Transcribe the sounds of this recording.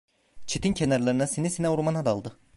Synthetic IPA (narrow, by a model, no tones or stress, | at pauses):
t͡ʃʰit̪ʰincʰenaɾlˠaɾɯnasenisenɛuɾmanad̪alˠd̪ɯ